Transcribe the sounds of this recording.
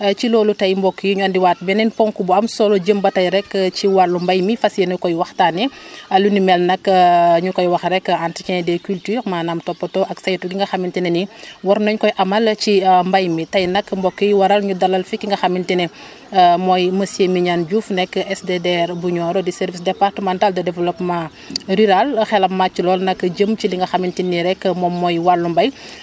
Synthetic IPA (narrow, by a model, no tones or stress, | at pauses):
t͡ʃilɔːlutɐjmbɔkːəjuɲuandiwaːt̚bɛnɛnpɔŋkubuɐmsɔlɔɟəmbɐtɐjɾɛkːciwalumbɐjmifɐsjenukɔjwɐxtaːnɛɐlunimɛlnɐkɲukɔjwɐxɾɛkːanticɛnɛdɛkyltyːɾmaːnaːmtɔpːɐtɔʔɐksɐjtuɡiŋɡɐxɐmintinɛniwɐɾnɔɲkɔjʔɐmɐlt͡ʃimbɐjmitɐjnɐkːmbɔkːəjwɐɾɐlɲudɐlːɐlfikiŋɡɐxɐmːintinɛ | mɔjmɐsemiɲand͡ʒuːfnɛkːɛsdedɛɾbuɲɔːɾɔdisɛɾvisdɛpartəmantaldɐdɛvɛlɔpma | ɾyɾalxɛlɐmmat͡ʃːilɔːlnɐkːəɟəmciliŋɡɐxɐmintiniɾɛkːmɔmːɔjwalːumbɐj